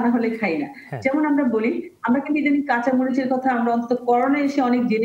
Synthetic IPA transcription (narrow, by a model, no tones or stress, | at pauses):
naɦolekʰajna | d͡ʑɛmonamɾaboliamɾakint̪ueʈanikat͡ɕamoɾit͡ɕeɾkɔt̪ʰaamɾaɔ̃nt̪o̥t̪okɔɾonaeʃeɔnek̚d͡ʑin